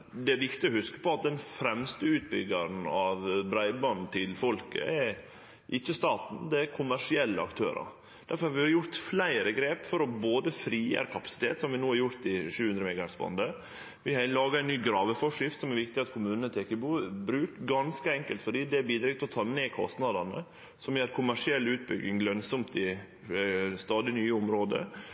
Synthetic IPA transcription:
d̪ɛæɾʋɪkt̪ɪɔhʉskə̥pɔɑt̪̚d̪ɛnfɾɛmst̪əʉːt̪̚bʏ̰ɡɑɾn̩ɑʋbɾæɪbɑnt̪ʰɪlfɔlkə̰ɛ | ʔɪçːəst̪ɑːt̪n̩d̪ɛækʰʊmæʂɪɛlːəɑ̰kt̪ʰøːɾɑ̰ɾ | d̪̥æɾfɔɾhɑɾʋɪhɑɾjʊɾt̪flæɪɾəɡɾeːpfɔɾɔboːd̪əfɾiːjə̰ɾkʰɑpɑ̥sɪ̥t̪ʰḛːt̪sɔmʋɪnoːhɑɾjʊɾt̪ɪʂʉːhʉnd̪ɾəmɛːɡɑæsbɑ̰nd̪ə | ʋɪhɑlɑːɡɑɛɪnnyːɡɾɑːʋəfɔʂɪft̪sɔmæɾʋɪkt̪ɪɑt̪kʰʊmʉːnnət̪ʰeːkəbuːbɾʉːkɡɑnskəɛŋkəlt̪fɔɖiːd̪ɛæɾbiːd̪ɾɛɡt̪ɪlɔt̪ʰɑːmɛːkʰɔ̰st̪nɑd̪ɑnə̰ | sɔmjæːɾkʰʊmæʂɪɛlːʉːt̪̚bʏ̰ɡɪŋɡlœnsɔmt̪ɪ | st̪ɑːd̪ɪnyːəʊmɾoːd̪ə̰

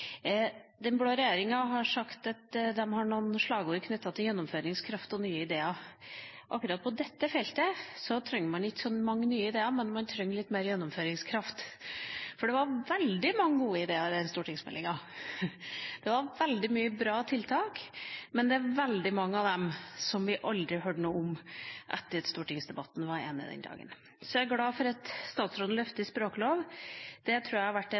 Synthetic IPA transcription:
d̪ɛnbloːɾɛjeːɾɪŋɑɦɑʂɑkt̪ɑt̪d̪ɛmhɑɳuːnʂɭɑːɡəuːəɾkʰnʏt̪ːɑt̪ʰɪljɛnːɔmføːɾɪŋskʰɾɑft̪ɔnyːəɪd̪eːɑ | ʔɑkːɾɑːt̪̚pʰɔd̪ɛt̪ːəfɛlt̪əsɔt̪ʰɾœŋːəmɑnɪkːsɔnmɑŋːənyːəɪd̪eːɑɾmɛnmɑnt̪ʰɾœŋːlɪt̪ːmeːɾjɛnːɔmføːɾɪŋskʰɾɑft̪ | fɔɖɛʋɑɾʋɛld̪ɪmɑŋːəɡuːəɪd̪eːɑɾɛnst̪uːʈɪŋsmɛ̰lːɪŋɑ | d̪̥ɛʋɑɾʋɛld̪ɪmyːəbɾɑːt̪ʰɪlt̪ʰɑːkmɛnd̪ɛæʋɛld̪ɪmɑŋːəɑʋd̪ɛmsɔmʋɪʔɑld̪ɾɪɦøːɖənuːʊmʔɛt̪ːəɾst̪uːʈɪŋsd̪ɛbɑt̪ːn̩ʋɑɾḛːnɪ̰d̪ɛ̰nd̪ɑ̰ːɡə̰n | sɔæɪɡlɑːfɔɾɑt̪st̪ɑːt̪sɾoːd̪̩lœft̪əɪspɾoːkəloːʋd̪̥ɛt̪ʰɾʉːjæhɑɾʋæʈː

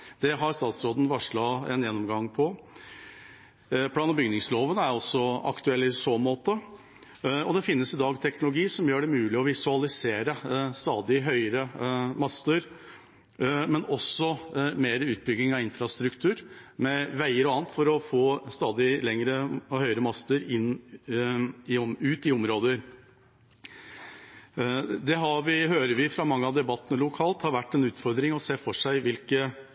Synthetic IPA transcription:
d̪̥ɛɦɑɾst̪ɑːt̪sɾoːd̪n̩ʋɑʂɭɑɛ̰njɛnːɔmɡɑŋːpʰɔ | pʰlɑːnɔmbʏɡnɪŋsloːʋənæɾɔsɔɑ̰kt̪ʉɛlːɪsoːmoːt̪ə | ɔd̪ɛfɪnːəsɪd̪ɑːɡt̪ʰɛknʊlʊɡiːsɔmjøːɖɛmʉːlɪɔʋɪsʉɑlɪseːɾəst̪ɑːd̪ɪɦœʏəɾəmɑst̪əɾ | mɛnɔsːɔmeːɾəʉːt̪̚bʏɡnɪŋɑɪnfɾɑst̪ɾʉkt̪ʰʉːɾmɛʋæɪəɾɔɑːnt̪fɔɾɔfoːst̪ɑːd̪ɪlɛŋɾəhœʏəɾəmɑst̪əɾɪn | ɪʉːt̪ɪɔmɾoːd̪əɾ | d̪ɛɦɑʋɪɦøːɾəɾʋɪfɾɑmɑŋːəɑʋd̪ɛbɑt̪ːənəlʊkʰɑːlt̪hɑɾʋæʈːɛnʉːt̪fɔɾd̪ɾɪŋɔseːfɔʂæɪʋɪlkə

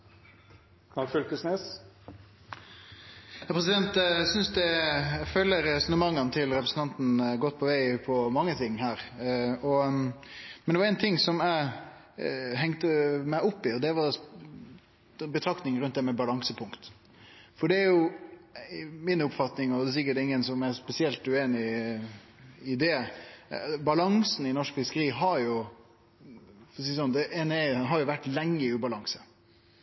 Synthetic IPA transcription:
k̪ɑfʏlkəsneːs | hɑpʰɾɛsɪd̪ɛnt̪sʏnsd̪ɛæføːləɾɛsɔnəmɑŋːənt̪ʰɪlɾɛpɾəsn̩t̪ɑnt̪n̩ɡɔt̪̚ːpʰɔʋæɪpʰɔmɑŋːət̪ʰɪŋːhæːɾɔ | mɛnɛʋɑɾɛːnt̪ʰɪŋːsɔmæɪ | ɦɛŋt̪əmæɪʊpːɪɔd̪ɛʋɑ | bət̪ʰɾɑkt̪ɪŋɾʉnt̪̚d̪ɛmɛbɑlɑŋsəpʰʊŋkt̪ | fɔɖɛæɾjʊ | mɪnʊpfɑt̪nɪŋɔd̪ɛs̬ɪkːəʈɪŋːənsɔmæɾspɛsɪɛlt̪ʉeːnɪ | ɪd̪ɛ | bɑlɑŋsn̩ɪnɔʂkfɪskəɾiːɦɑɾjʊ | fɔɾsiːsɔnd̪ɛʔɛnɛɦɑɾjʊʋæʈːlɛŋːəɪʉːbɑlɑŋsə̥

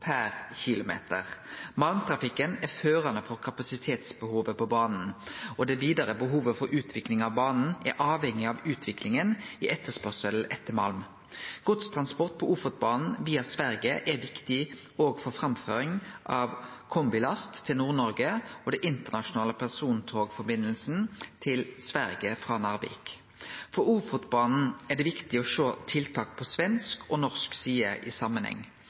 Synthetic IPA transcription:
pʰæʁçɪlʊmḛːt̪ə̰ʁmɑlmt̪ʰʁɑfɪkːənæføːʁɑnəfɔʁkʰɑpɑsɪt̪ʰeːt̪sbəhuːʋəpɔbɑːnn̩ɔd̪ɛʋiːd̪ɑɾəbəɦuːʋəfɔɾʉːt̪ʰʋɪklɪŋɑʋbɑːnn̩æ̰ɾʔɑːʋhɛŋːɪɑʋʉːt̪ʰʋɪklɪŋənɪʔɛt̪ːəspœʁsəlʔɛt̪ːəmɑ̰lm | ɡ̥ɔt̪st̪ʰʁɑnspɔʁt̪̚pʰɔʔʊfəʁt̪̚bɑːnn̩ʋiːɑsʋæɾɡəʔæʋɪkt̪ɪoːɡfɔʁfɾɑmfø̰ːɾɪŋʔɑʋkʰɔmbɪlɑst̪ʰːɪlnuːʁnɔɾɡəɔd̪ɛʔɪnt̪əʁnɑʃʊnɑːləpʰæʁsuːnt̪ʰoːɡfɔbɪnːəlsn̩t̪ʰɪlsʋæɾɡəfʁɑnɑːʁʋḭːk | fɔɾuːfʊt̪bɑːnn̩æd̪ɛʋɪkt̪ɪɔʃoːt̪ʰɪlt̪ʰɑːkpʰɔsʋɛnskʰɔnɔʁsksiːəʔɪ̰sɑmənhɛ̰ŋː

